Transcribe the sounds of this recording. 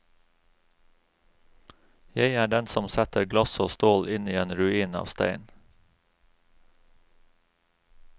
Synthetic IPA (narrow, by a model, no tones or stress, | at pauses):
jæɪæːɖɛnsɔmsɛt̪əɾɡlɑsoːst̪oːlʔɪniːeːnɾʉiːnɑ̰ːʋst̪æ̰ɪn